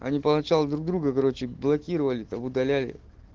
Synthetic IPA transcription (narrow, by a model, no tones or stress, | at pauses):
ɐ̰nʲipənɐt͡ɕalˠd̪ɾuɡ̚d̪ɾuɡəkɐɾo̞t͡ɕɪblˠɐkʲiɾəvəlʲɪt̪amʊd̪ɐlʲælʲɪ̰